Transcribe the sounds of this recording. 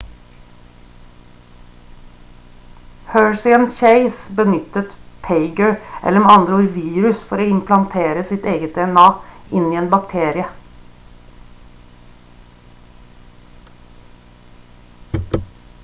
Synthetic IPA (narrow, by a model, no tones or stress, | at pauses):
høːɹsɪənʃeɪsbənʏt̪ət̪pʰeɪɡəɹʔɛ̰ləmɛɑnd̪ɾəuːɾʋiːɾʉsfɔɾoːɪmpʰlɑnt̪ʰeːɾəsɪt̪eːɡət̪̚d̪ɛɛnɑːʔɪniːeːnbɑkt̪ʰeːɾɪə